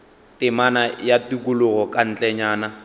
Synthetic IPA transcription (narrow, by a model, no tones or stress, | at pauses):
tɪmanajatikʊlʊɣɔkʼan̩t͡ɬʼɛɲaːna